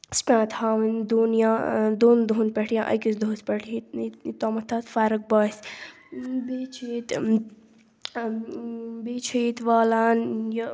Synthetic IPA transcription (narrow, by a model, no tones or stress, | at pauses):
spʲãːt̪haːʋɐnʲd̪unjãːd̪oːnd̪oːnpʲɐʈʰijã̰ːʔɐ̰kisd̪oːspɐʈʰiit̪oːmɐt̪ʰːat̪faːɾɐk̚baːs | beːt͡ʃʰit̪ | beːt͡ʃʰit̪ʋaːlaːnjɐ